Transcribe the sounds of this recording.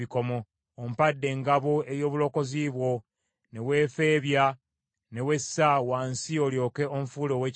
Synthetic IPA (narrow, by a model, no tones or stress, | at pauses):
iko̞mo̞ | om̩padːe̞ŋɡaβoe̞jo̞ːβulo̞ko̞ziβwo̞ | ne̞we̞ːfe̞ːβja | ne̞we̞sːawaːnsioljo̞ːke̞ʔomfuːlo̞ːwe